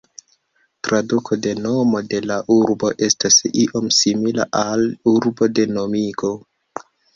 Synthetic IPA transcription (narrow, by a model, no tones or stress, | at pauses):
tɾadukʰo̞de̞no̞mo̞de̞laʔuɾbo̞ʔe̞stasiʔo̞msimila̰ʔaluɾbo̞de̞no̞miɡo̞